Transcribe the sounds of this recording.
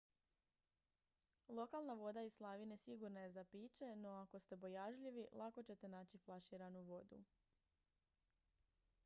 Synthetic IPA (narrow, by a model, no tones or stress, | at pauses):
lˠo̞kalˠnaʋo̞d̪aislˠaʋine̞siɡuɾnaje̞zapiːt͡ɕe̞no̞ako̞st̪e̞bo̞jaʒʎiʋilʔako̞t͡ɕe̞t̪e̞naːt͡ɕiflˠaʃiɾanuʋo̞d̪ṵ